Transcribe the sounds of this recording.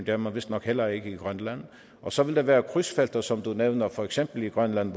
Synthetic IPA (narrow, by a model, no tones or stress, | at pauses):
nd̥̪eɐmænʋɪ̝sd̥nɒɡ̥helɐeɡ̥əiɡ̥ʁœnlæn | ʔɒ̽sɒ̽ʋɪld̥̪eʋæːɐkʰʁysfeld̥ɐsɒ̽md̥̪uneʊnɐfɒɛɡ̥semb̥l̩iɡ̥ʁœnlænʋ